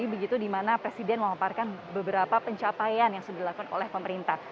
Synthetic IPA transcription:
ibəɡit̪udimanapɾesidɛnməmaparkanbəbəɾapapəɲt͡ʃapajanjaŋsudadilakukano̰lɛhpəməɾint̪ah

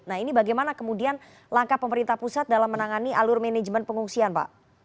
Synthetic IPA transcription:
nahinibaɡajmanakəmudian | laŋkapəməɾint̪ahpusat̪̚dalamːənaŋaniʔalʊrmɛnɛd͡ʒmənpəŋuŋsianpa̰ʔ

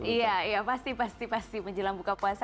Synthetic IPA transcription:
iaijapast̪ipast̪ipast̪iməɲd͡ʒəlaŋbukapuasa

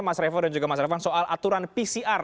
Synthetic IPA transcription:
masɾefadand͡ʒuɡamasɾefansoʔalʔat̪uɾanpisiʔar

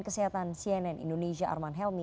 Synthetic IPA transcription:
kəseɦat̪ansiɛnɛnḭndones̬iaʔa̰rmanɦɛlmi

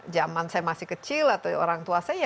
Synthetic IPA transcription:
d͡ʒamansajamasihkət͡ʃilat̪ao̰ɾaŋt̪uasaaj

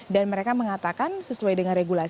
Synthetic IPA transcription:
danməɾekaməŋat̪akansəsuajdəŋanreɡula

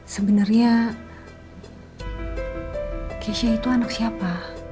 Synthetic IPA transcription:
səbənarɲa | keʃait̪uanaksiapa

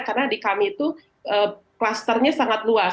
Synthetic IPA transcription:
karnadikamiːt̪u | ʔə | klast̪ərɲasaŋat̪lua

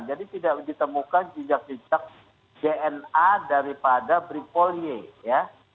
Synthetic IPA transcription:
nd͡ʒadit̪idaʔdit̪əmukand͡ʒid͡ʒak̚d͡ʒud͡ʒak̚ | d͡ʒeʔɛnadaɾipadabɾipolieja

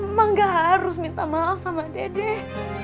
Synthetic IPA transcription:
maŋɡaɦaɾʊsmint̪amaafsamadadɛh

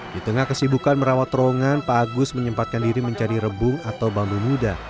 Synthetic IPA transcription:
dit̪əŋahkəsibukanməɾawat̪ɾoŋanpaɡʊsməɲəmpat̪̚kandiɾiməɲt͡ʃaɾiɾəbʊŋat̪awbambumuda

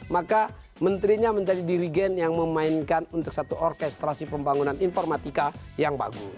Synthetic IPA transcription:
maka | mənt̪ɾiɲaməɲd͡ʒadidiɾiɡɛnjaŋməmainkanunt̪ʊk̚sat̪uʔɔrkɛst̪ɾasipəmbaŋunaninfɔrmat̪ika | jaŋba̰ɡṵ

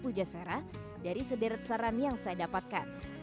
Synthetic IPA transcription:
pud͡ʒasaɾah | daɾisədəɾsaɾanjaŋsajadapat̪̚ka̰n

